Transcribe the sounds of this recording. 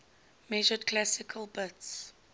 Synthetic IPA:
mɛʒədkʰlæsɪkʰəlˠbɪts

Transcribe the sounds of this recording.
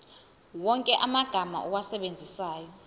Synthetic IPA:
wɔŋkʼɛʔamaɡ̥ʱama̰ʔɔwasɛɓend͡zʱisaːjɔ

